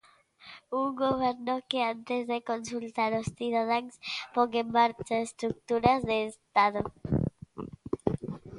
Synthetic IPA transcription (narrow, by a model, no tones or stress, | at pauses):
uŋɡoβ̞ɛɾnokeant̪ezðekonsult̪aɾosθiðað̞aŋspoŋemːaɾt͡ʃaest̪ɾuk̚t̪uɾazðeːst̪aðo